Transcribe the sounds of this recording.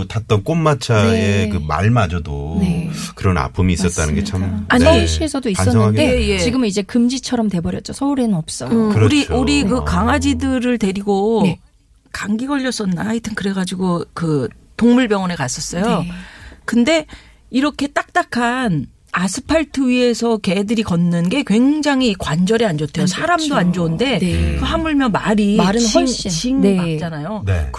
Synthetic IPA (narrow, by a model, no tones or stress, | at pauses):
tat͈ʌnk͈omːat͡ɕʰae̞kɯma̰ɭmad͡ʑʌdo | kɯɾʌna̰pʰɯmiːs͈ʌt̚t͈anɯnɡe̞t͡ɕʰamaɲiɕ͈ʰiesʰʌdoisan͈ʌʌŋɦaɡedeje̞t͡ɕiɡɯmnid͡ʑe̞kɯmd͡ʑit͡ɕʰʌɾʌmte̞bʌɾjʌt̚t͡ɕ͈osʰʌuɾenɯnʌp̚s͈ʌɯɾuɾiouɾikɯkaŋwad͡ʑidɯɾɯɭte̞ɾiɡo | kaŋɡiɡʌʎːʌs͈ʌnːaitʰɯnkɯɾe̞ɡad͡ʑiɡokɯ | toŋmuɭbjʌŋʌnekas͈ʌs͈ʌjo | kɯnde̞ | iɾʌkʰe̞t͈ak̚t͈akʰan | asʰɯ̥pʰaɭtʰɯɥie̞sʰʌke̞dɯɾikʌnːɯnɡe̞kwe̞ŋd͡ʑaŋɦikwand͡ʑʌɾiand͡ʑʌtʰejosʰaɾamdoand͡ʑounde̞kɯɦamuɭmjʌmaɾiɾɯnɕ͈it͡ɕiŋiat͡ɕ͈anajo̰k